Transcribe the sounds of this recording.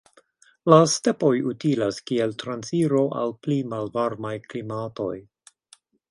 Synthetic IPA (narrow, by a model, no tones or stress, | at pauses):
laste̞po̞jutilaskie̞ltɾansiɾo̞ʔa̰lplimalvaɾmajklimato̞j